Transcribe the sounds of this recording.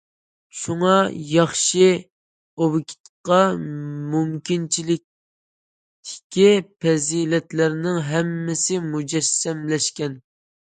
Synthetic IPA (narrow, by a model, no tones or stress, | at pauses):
ʃuŋɑjɑχʃɨ | owɪkʲʰi̥t̪qɑmumkʲint͡ʃʰilɪk̚ʲ | t̪ʰɪ̥kʲipʰɛzilɛt̪læɾnɪŋɦɛmːɪsɪmud͡ʒɛsːɛmlɛʃkʲɛn